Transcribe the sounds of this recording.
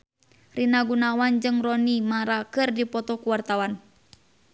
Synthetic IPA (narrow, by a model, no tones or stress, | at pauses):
rinaɡunawand͡ʒɨŋrɔnimaɾakɨrdipɔt̪ɔkuwart̪awan